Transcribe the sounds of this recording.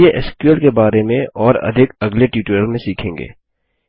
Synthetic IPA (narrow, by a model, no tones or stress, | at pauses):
eʔɛskəlkebaːɾemẽɔːɾɐ̰d̪ʱɪkɐɡleʈjuːʈəlmẽsiːkʰẽːŋɡḛː